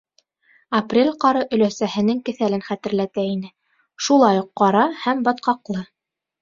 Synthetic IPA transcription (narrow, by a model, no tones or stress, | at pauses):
ɐprʲelʲqɑɾɤʔɵ̆læsæhɘ̆nɘŋkɘ̆θælɘnχæt̪ɘ̆ɾlæt̪æinɘ | ʃulˠɑjuqːɑɾɑhæmbɑt̪qɑqlˠɤ